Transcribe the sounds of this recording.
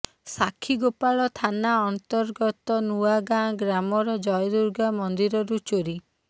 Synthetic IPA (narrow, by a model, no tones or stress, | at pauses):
sakʰiɡopaɭɔt̪ʰanaɔnt̪ɔɾɡɔt̪ɔnuaɡãɡɾamɔɾɔd͡ʒɔjɔd̪uɾɡamɔnd̪iɾɔɾut͡ʃoɾi